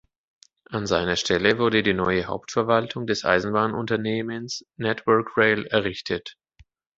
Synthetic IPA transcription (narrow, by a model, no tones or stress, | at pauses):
ʔanzaɪnɐʃtɛləvʊɐdədiːnɔʏəha̰ʊptfɛɐvaltʰʊŋdɛsʔa̰ɪzn̩baːnʔʊntɐneːmənsnɛtvœɐkʁeɪlɛɐʁɪçtʰət